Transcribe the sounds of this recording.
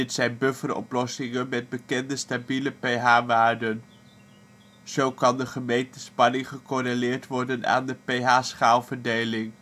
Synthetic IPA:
ɪtsɛjnbøfərɔ̰plɔsɪŋənmɛd̚bəkɛndəstabiləpejɦaːʋaːɹdən | z̥owkɑndəχəmejntənspɑnɪŋχəkɔrelɪːɹtʋɔɹdəna̰ːndəpejɦaːsχaːlˠvəɹdejlɪŋ

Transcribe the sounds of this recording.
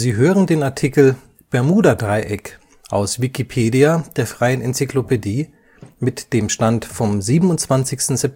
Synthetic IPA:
ziːɦøːʁəndeːnaɐtʰikl̩ | b̥ɛɐmuːdɐdʁaɪʔɛk | ʔa̰ʊsv̥ikipʰeːdiad̥eːɐfʁ̥aɪənɛnt͡siklopʰediː | mɪtd̥eːmʃtantfɔmziːbən̩ʊnt͡sv̥ant͡sɪçstn̩zɛp̚

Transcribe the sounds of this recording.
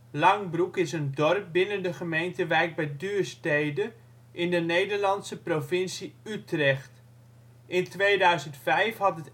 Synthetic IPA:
lɑŋbrukɪsəndɔrp̚bɪnəndəχəmejntəʋɛjk̚bɛjdyːɹstejdə | ʔɪndənejdəɹlɑntsəprovɪnsiytrɛχt | ʔɪntʋejdœɥzəntfɛjfɦɑtət

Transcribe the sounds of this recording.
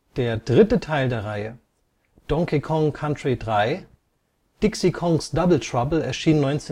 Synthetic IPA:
d̥eːɐdʁɪtətʰaɪldeːɐʁaɪə | d̥ɔŋkikʰɔŋkʰantʁ̥idʁaɪ | d̥ɪksikʰɔŋsd̥abl̩tʁ̥abl̩ɛɐʃiːnnɔʏnt͡seː

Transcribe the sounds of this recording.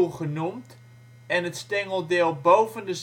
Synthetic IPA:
χənumt | ɛnətstɛŋəlˠdɪːlˠbowvəndəz

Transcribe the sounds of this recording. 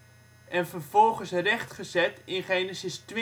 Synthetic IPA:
ʔɛnfərvɔlˠχənsrɛχtχəzɛtɪnχeːnəsɪstʋɪ

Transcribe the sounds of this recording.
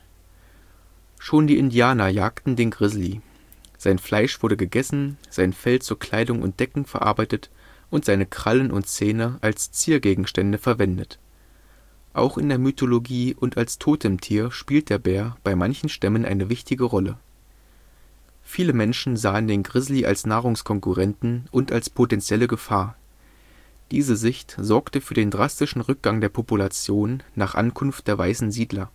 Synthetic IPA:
ʃoːndiːʔɪndiaːnɐjaːktn̩deːnɡʁɪzli | z̥aɪnflaɪʃv̥ʊɐɾəɡəɡɛsn̩z̥aɪnfɛlt͡suːɐkʰl̥aɪdʊŋʔʊ̰nt̚d̥ɛkŋ̩fɛɐʔa̰ɐbaɪtət | ʔʊntz̥aɪnəkʁ̥alənʔʊ̰ntt͡seːnəʔalst͡siːɐɡeːɡŋ̩ʃtɛndəfɛɐvɛndət | ʔa̰ʊxʔɪ̰ndeːɐmytʰoloɡiːʔʊntalstʰoːtɪmtʰiːɐʃpiːlt̚d̥eːɐbeːɐb̥aɪmançn̩ʃtɛmənʔa̰ɪnəvɪçtɪɡəʁɔlə | fiːləmɛnʃn̩zaːəndeːnɡʁɪzliʔa̰lsnaːʁ̞ʊŋskʰɔŋkuʁɛntn̩ʔʊntalspʰotɛnt͡sjɛləɡəfaːɐ | d̥iːzəzɪçtz̥ɔɐktəfyːɐdeːndʁastɪʃn̩ʁʏk̚ɡ̥aŋdeːɐpʰopulat͡sjoːnːaːχʔa̰nkʰʊnft̚d̥eːɐvaɪsn̩ziːdlɐ

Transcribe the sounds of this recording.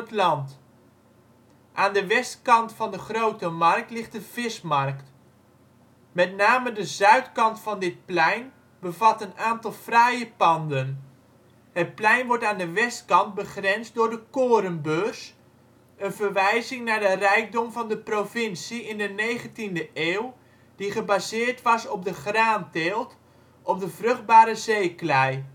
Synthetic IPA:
ətlɑnt | ʔaːndəʋɛstkɑntfɑndəχrowtəmɑrk̚tlɪχtdəv̥ɪsmɑrkt | mɛtnaːmədəzœɥtkɑntfɑndɪt̚plɛjn | bəvɑtənaːntɑlˠfrajəpɑndən | hət̚plɛjnʋɔɹtaːndəʋɛstkɑnd̚bəχrɛnzdʊːɹdəkoːɾəmbøs | ənvəɹʋɛjzɪŋnaːɹdərɛjk̚dɔmvɑndəprovɪnsiɪndənejχəntindəʔeːw | d̥iχəbaːzɪːɹtʋɑsɔp̚dəχraːnteːlˠt | ʔɔp̚dəvrɵχd̚baːɾəzejklɛj

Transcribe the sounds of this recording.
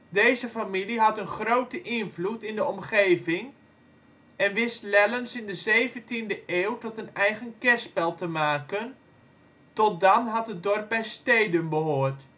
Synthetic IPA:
dejzəfamiliɦɑtənχrowtəʔɪnvlutɪndəɔmχeːvɪŋ | ɛnʋɪstlɛlənsɪndəzejvəntindəʔeːwtɔtənɛjɣənkɛspɛlˠtəmaːkən | tɔt̚dɑnɦɑtɦət̚dɔrp̚bɛjstejdənbəɦoːrt

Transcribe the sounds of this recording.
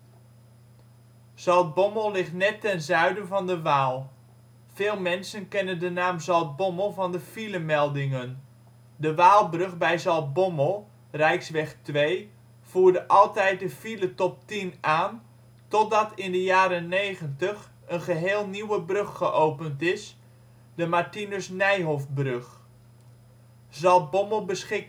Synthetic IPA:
z̥ɑlˠd̚bɔməlˠlɪχtnɛtːɛnzœɥdənvɑndəʋaːlˠ | v̥eːlˠmɛnsənkɛnəndənaːmzɑlˠd̚bɔməlˠvɑndəfiləmɛlˠdɪŋən | dəʋaːlˠbrɵχbɛjzɑlˠt̚bɔməlˠ | rɛjksʋɛχtʋej | v̥uːɹdəʔɑlˠtɛjt̚dəfilətɔp̚tinaːn | tɔt̚dɑtɪndəjaːɾənejχəntəχ | ənχəɦeːlˠniwəbrøχːəʔowpəntɪs | dəmaɹtinəsnɛjɦofbrɵχ | zɑlˠt̚bɔməlˠbəsχɪk

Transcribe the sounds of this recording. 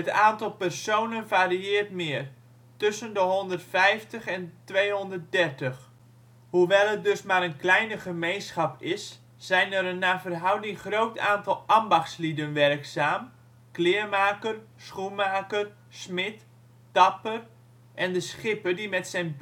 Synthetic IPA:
ətaːntɑlˠpɛrsownənvaːɾiɪərtmɪːr | tʏsəndəɦɔndərtfɛjftəχɛntʋejɦɔndərt̚dɛrtəχ | huʋɛlˠət̚dɵsmaːɾənklɛjnəχəmejnsχɑpɪsː | ɛjnəɾənːaːvərɦʌwdɪŋχrowtaːntɑlˠɑmbɑχtslidənʋɛrksaːm | klɪːrmaːkərsχunmaːkər | smɪt | d̥ɑpər | ʔɛndəsχɪpədimɛtsɛn

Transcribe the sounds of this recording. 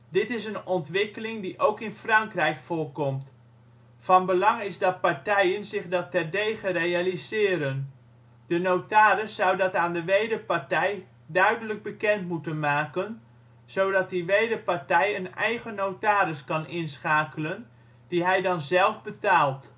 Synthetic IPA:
dɪtɪsənɔntʋɪkəlɪŋdiʔowkɪnfrɑŋkrɛjkfʊːɹkɔmt | fɑnbəlɑŋɪzdɑt̚paɹtɛjənzɪχdɑtɛrdejχərejalizɪːɾən | dənowtaːɾəsːʌwdɑtaːndəʋejdəpaɹtɛj | dœɥdələɡ̚bəkɛntmutənmaːkən | z̥owdɑt̚diʋejdəpaɹtɛjənɛjχənowtaːɾɪskɑnɪnsχaːkələn | d̥iɦɛjdɑnzɛlˠvbətaːlˠt

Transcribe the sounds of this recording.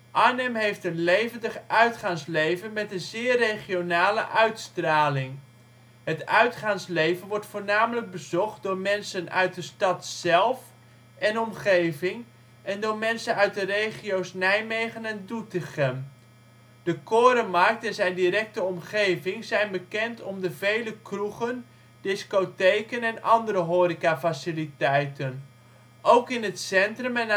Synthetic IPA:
ʔanəmɦejftənlejvəndəχʔœɥtχaŋslejvənmɛtənzɪːrejχionaːlə̰ʔœɥtstraːlɪŋ | hətœɥtχaŋslejvənʋɔɹtfʊːrnaːmələk̚bəzɔχt̚dʊːɹmɛnsənœ̰ɥt̚dəstɑtsɛlˠf | ɛnɔmχejvɪŋ | ʔɛndʊːɹmɛnsənœɥt̚dərejχijowsnɛjmejχənɛndutəχən | dəkoːɾəmark̚tɛnzɛjndiɾɛk̚təɔmχejvɪŋzɛjnbəkɛntʰɔmdəvejləkruχən | dɪskotejkənɛnʔɑndərɾəɦoːɾikafasɪlitɛjtən | ʔowkɪnətsɛntrəmɛn

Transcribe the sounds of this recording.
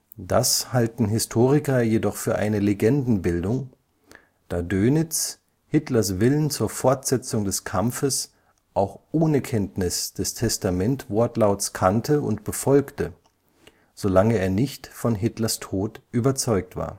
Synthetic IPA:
d̥ashaltn̩ɦɪstʰoːʁ̞ɪkɐjedɔχfyːɐʔa̰ɪnəleɡɛndn̩bɪldʊŋ | d̥aːdøːnɪt͡s | hɪtlɐsv̥ɪlənt͡suːɐfɔɐtz̥ɛt͡sʊŋdɛskʰamfəs | ʔaʊxʔoːnəkʰɛntnɪsd̥ɛstʰɛstamɛntv̥ɔɐtlaʊtskʰantʰəʊ̰ntb̥əfɔlktə | z̥olaŋəeːɐnɪçtfɔnɦɪtlɐstʰoːtʔyːbɐt͡sɔʏk̚tv̥a̰ːɐ

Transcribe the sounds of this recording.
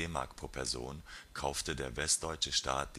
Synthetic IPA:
eːma̰ɐkpʰʁ̥oːɐpʰɛɐzo̰ːnkʰaʊftədeːɐvɛst̚d̥ɔʏt͡ʃəʃta̰ːt̚d̥i

